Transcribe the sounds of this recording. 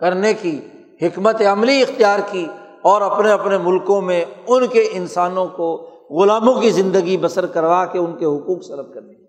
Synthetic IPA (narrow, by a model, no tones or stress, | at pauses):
kɐɾneki | hɪkmət̪eɐmliɪxt̪ijaːɾki | ɔːɾɐpneɐpnemʊlkõmẽʊnkeʔɪnsaːnõko | ɣʊlaːmõkizɪ̃nd̪əɡibɐsəɾkɐɾʋakeʊnkeɦʊkuːksɐɾəb̚kɐɾne